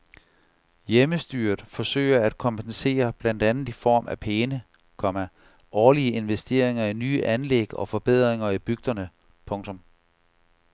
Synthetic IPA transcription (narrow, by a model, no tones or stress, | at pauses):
jeməsd̥yːɐðˠfɒ̽sø̰ːɪ̰ɐæd̥̚kʰɒ̽mpʰense̝̰ːɐb̥læn̰d̥ænð̩ˠifɒ̰ːmʔæpʰeːnə | kʰɒ̽mæ | ʔɒːliəe̝nʋesd̥e̝̰ːɐ̰e̝ŋɐinyːʔænleɡ̥ɒ̽fɒ̽b̥e̝ð̞̰ˠʁeŋɐib̥yɡ̥̚d̥ɐnə | pʰɔ̽ŋt͡sʰɔ̽m